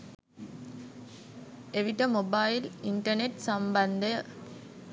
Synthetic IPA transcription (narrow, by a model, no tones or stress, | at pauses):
eʋiʈːɐmobaːjiliɳʈɐneʈsɐmbɐnd̪ɐ